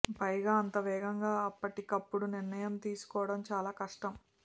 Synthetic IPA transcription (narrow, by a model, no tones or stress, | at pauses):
pɐjɡaːɐnt̪ɐʋɛːɡɐŋɡaːɐpːɐʈikɐpːuɽuniɾnɐjɐmt̪iːsu̥kɔːʋɐɽɐmt͡ʃaːlaːkɐʂʈɐm